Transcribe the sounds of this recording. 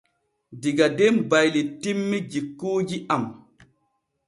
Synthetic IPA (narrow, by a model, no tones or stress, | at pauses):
diɡadembajlitimːid͡ʒikːuːd͡ʒiam